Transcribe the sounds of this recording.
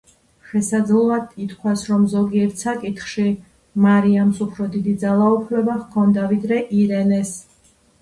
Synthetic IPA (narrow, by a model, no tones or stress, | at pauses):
ʃɛsad̪zlˠɔad̪it̪kʰwasɾɔmzɔɡiɛɾt̪ʰsakʼit̪χʃi | maɾiamsupʰɾɔd̪id̪id̪zalˠaupʰlɛbaχkʰɔnd̪avid̪ɾɛʔiɾɛnɛs